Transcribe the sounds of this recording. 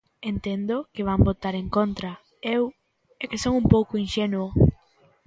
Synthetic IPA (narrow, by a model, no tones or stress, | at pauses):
ent̪end̪ʊkɪβambot̪aɾeŋkont̪ɾɐ | ew | ekɪsoŋumpowkʊinʃenuo